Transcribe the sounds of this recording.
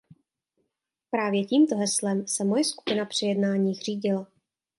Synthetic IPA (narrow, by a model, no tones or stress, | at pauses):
pɾaːvjɛciːmt̪o̞ɦɛslɛmsɛmo̞jɛsku̥pɪnapr̝̥ɪjɛdnaːɲiːxr̝̥iːɟɪla